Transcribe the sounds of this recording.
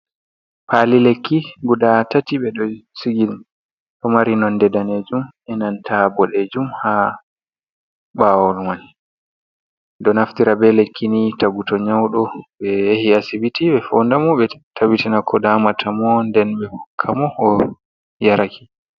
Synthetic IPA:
palilekːiɡudatatiɓɛɗɔsiɡin | ɗɔmaɾinɔndɛdaned͡ʒumɛnantʰabɔɗed͡ʒumha | ɓawɔlmani | dɔnaftiɾabɛlekʰːinitaɡutɔɲawɗɔɓɛjehiasibitiɓɛfɔndamɔɓɛtʰawitinakʰɔdamatʰamɔndɛnɓɛhɔkʰːamɔɔ | jaɾakʰi̥

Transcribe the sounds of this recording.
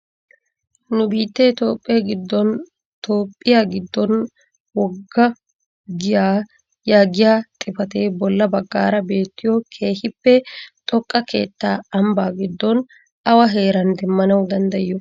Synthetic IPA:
nʊbiːt̪ːɛt̪o̞ːpʼːɪjaɡɪd̪ːɔn | t̪o̞ːpʼːɪjaɡɪd̪ːɔn | wɔɡːɐ | ɡɪjaː | jaːɡɪjaːt̪ʼɪfɐt̪e̞ːbɔlːɐbɐɡːa̰ːɾɐbe̞ːt̪ːɪjɔkʰe̞ːhɪpːɛt̪ʼɔkʼːɐkʰe̞̰ːt̪ːaːɐmbaːɡɪd̪ːɔn | ɐwɐɦe̞ːɾɐnd̪ɛmːɐnɐwd̪ɐnd̪ɐɪjːɔ

